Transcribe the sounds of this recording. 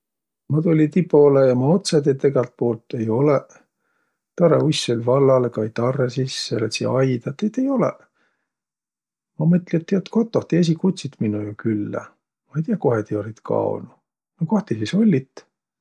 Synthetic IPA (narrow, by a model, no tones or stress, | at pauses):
mɑt̪ulʲit̪ipo̞ːlejɑmɑot̪sed̪et̪ːeɡɑlt̪̚po̞ːlt̪ˑːe̞jo̞le | t̪ɑɾḛusːolʲvɑlːɑlkɑjt̪ɑrːesisːelet̪sḭɑjd̪ɑt̪ːiet̪ːe̞jo̞lɛ̰ | mɑmɤt̪ːˑlʲiet̪ːiɑt̪ːkot̪ːoht̪ees̬ʲikut̪sit̪minujokylːæ̰ | mɑejt̪ijɑko̞het̪io̞lʲit̪kʰɑ̰o̰nu | nɑkoht̪isiso̞lʲːit̪ː